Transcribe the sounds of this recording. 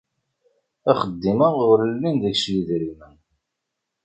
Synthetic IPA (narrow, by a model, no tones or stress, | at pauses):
æχəd̪ːiməʊɾəlːind̪əçʃjiðɾimən